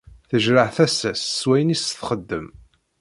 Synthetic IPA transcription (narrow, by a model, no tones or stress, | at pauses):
θəʒɾəʕθæsːæsːwæjnisθχəd̪ːəm